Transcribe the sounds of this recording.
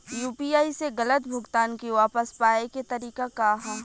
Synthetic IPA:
juːpiːaːiseɣɐlət̪bʱʊɡt̪aːnkiʋaːpəspaːeket̪ɐɾiːkakaɦãː

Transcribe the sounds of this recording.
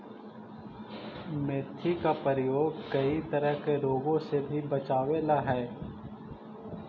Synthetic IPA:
meːt̪ʰikapəɾɪjoːɡkɐit̪ɐɾəɦkeɾoːɡõsebʱibɐt͡ʃaːʋeːlaɦɛː

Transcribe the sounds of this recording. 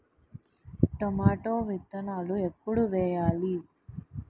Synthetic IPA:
ʈomaːʈoːʋit̪ːɐnaːluepːuɽuʋɛːjaːli

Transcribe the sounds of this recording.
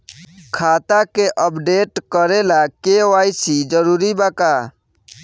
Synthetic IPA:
kʰaːt̪akeʔəpɖeːʈkəɾelakeʋaːisid͡ʒəɾuːɾibakaː

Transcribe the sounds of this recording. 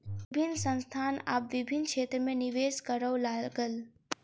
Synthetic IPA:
bʱɪnsə̃nst̪ʰaːna̰ːpʋɪbʱɪnːkʃʰeːt̪ɾəmẽnɪʋeːskəɾəwlaːlɡəl

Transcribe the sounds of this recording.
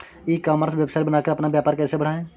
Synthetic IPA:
iːkaːməɾsbjəbsaːibənaːkeɾɐpnabjaːpaːɾkɛːsebəɽ̤aːẽː

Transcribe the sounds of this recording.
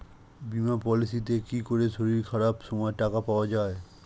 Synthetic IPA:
bimapɔlisit̪̬ekikoɾeʃoɾiɾkʰaɾapʃɔmɔeʈakapaoad͡ʑae

